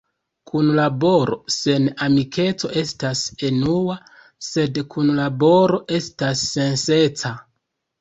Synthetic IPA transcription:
kunlabo̞ɾo̞̰se̞namikʰe̞t͡so̞ʔe̞stase̞nua | se̞dkʰunlabo̞ɾo̞ʔe̞stasːe̞nse̞t͡sa

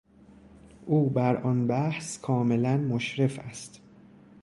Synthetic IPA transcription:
ʔuːbæɾʔɒnbæhskʰɒːme̞lænmoʃɾe̞fæst̪

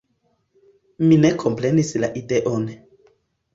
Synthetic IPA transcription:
minekʰompɾenislaʔideʔon

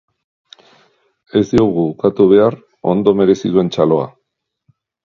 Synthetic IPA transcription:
e̞zd̪io̞ɣuukat̪uβ̞e̞ar | o̞̰nd̪o̞me̞ɾe̞siðue̞nt͡ʃalo̞a̰

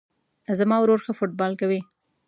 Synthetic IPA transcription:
zamɑwɾoɾxəfoʈ̚bɑlkawi

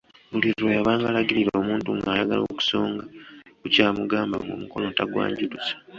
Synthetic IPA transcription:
βuliɾojaβaːŋɡaːlaɡiɾiɾoːmuːntuŋɡaːjaɡa̰lo̞ku̥so̞ːŋɡakucaːmuɡaːmba̰ŋɡo̰muko̞lo̞taɡwa̰ːɲɟudusḁ

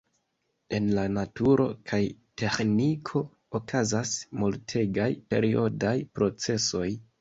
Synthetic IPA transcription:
e̞nlanatuɾʔo̞̰kʰajte̞xnikʰo̞ː | kazasmultʰe̞ɡajpe̞̰ɾio̞dajpɾo̞t͡se̞so̞j

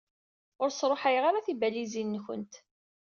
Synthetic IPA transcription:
ʊɾsˤɾˤoħajʁaɾaθibælizinːəçə̰nt̪

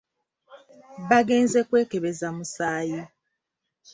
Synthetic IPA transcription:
βaɡe̞ːnze̞kwe̞ːkeβe̞zamusaːji

